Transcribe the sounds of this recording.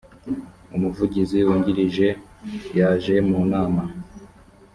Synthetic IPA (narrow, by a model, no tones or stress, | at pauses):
umuvuɟiziwuːɲɟiɾiʒe̞jaːʒe̞munaːma